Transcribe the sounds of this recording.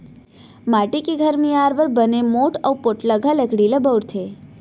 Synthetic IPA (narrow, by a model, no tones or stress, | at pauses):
maʈikiɡʱəɾmiaɾʋəɾbənemoʈəwpoʈləɡʱaləkɽiləbəwɽt̪ʰe